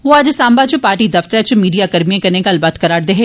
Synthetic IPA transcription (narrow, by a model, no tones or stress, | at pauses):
ʋoaːd͡ʒsaːmbat͡ʃʊpaːɾʈid̪ɐft̪ɾat͡ʃʊmiːɖijakɐɾmiẽkɐɾnekaɐlbat̪kɐɾaːɾd̪eɦeː